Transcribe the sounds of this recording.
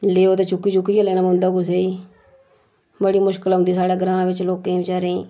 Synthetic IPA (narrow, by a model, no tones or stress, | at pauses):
leːoːt̪eːt͡ʃʊkːiːt͡ʃʊkːiːkaleːnãːmõːnd̪aːɡʊs̬eːiː | bəɽiːmʊʃkəlɦõːnd̪iːsaːɽaːɡəɾãːʋɪt͡ʃloːkːẽːʋɪt͡ʃaːɾẽː